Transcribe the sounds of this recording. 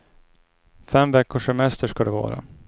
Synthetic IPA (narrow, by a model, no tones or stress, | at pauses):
fɛmvɛkːʊʂɛmɛst̪əʂkad̪ɛvɑ̰ːɾa̰